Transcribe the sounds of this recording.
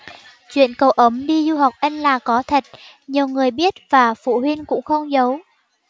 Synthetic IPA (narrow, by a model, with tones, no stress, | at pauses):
t͡ɕwḭ˧˨ənkə˨˩wʔə˨˦mɗi˧zu˧ɦa˨˩wk͡p̚ʔə˧ŋ̟laː˨˩kɔ˨˦t̪ʰə˨˩k̟̚ | ɲi˨˩əwŋɨ˨˩əjɓi˦˥ət̚v̥aː˨˩fṵ˧˨hwi˧nkʊ̰˧˥ŋ͡mxə˧wŋ͡mzə˨˦w